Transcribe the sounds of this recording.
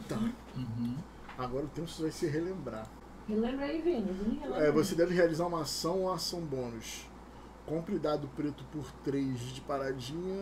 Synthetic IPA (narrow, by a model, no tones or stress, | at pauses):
t̪a | ɦ | aɡɔɾɐʊt̪ẽsʊvajsɪɦelẽmbɾa̰ | helẽmbɾaivẽɲɪznẽelẽɛvosed̪ɛvɪɦealizaɾũmɐasɐ̃w̃asɐ̃w̃bõnʊʃ | kõmpɾɪd̪ad̪ʊpɾet̪ʊpʊɾt̪ɾejzd͡ʒɪpaɾad͡ʒĩɲɐ